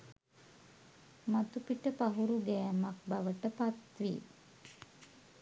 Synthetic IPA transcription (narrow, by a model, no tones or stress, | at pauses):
mat̪upiʈəpaɦuɾuɡɛːmak̚baʋəʈəpat̪ʋḭ